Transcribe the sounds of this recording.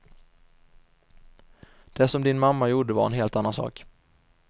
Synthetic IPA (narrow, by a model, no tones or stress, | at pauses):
d̪̥ɛsɔmd̪ɪnmamːajuːɖəva̰ɾɛ̰nɦeːlt̪anːansɑ̰ːk